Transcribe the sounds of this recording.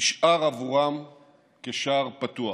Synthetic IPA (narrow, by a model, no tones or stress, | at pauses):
ʃʔaʁavuʁam | keʃaʁpat̪ua